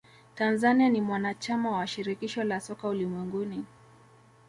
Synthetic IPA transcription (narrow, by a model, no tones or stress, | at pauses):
tanzanianimwanat͡ʃamawaʃiɾikiʃɔlasɔkaulimwɛŋɡuni